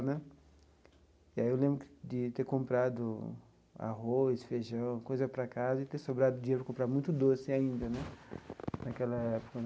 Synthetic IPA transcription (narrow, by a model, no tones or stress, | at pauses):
nɛ | iaiewlẽbɾʊkd͡ʒ̪ɪt̪eɾkõmpɾad̪ʊ | a̰ɦojsfeʒɐ̃w̃kojzɐpɾɐkazɐɪt̪eɾsobɾad̪ʊd͡ʒiɲeɾʊpɾɐkõpɾaɾmũj̃t̪ʊd̪osɪaĩnd̪ɐnɛ | nakɛlɐɛpo̥kɐ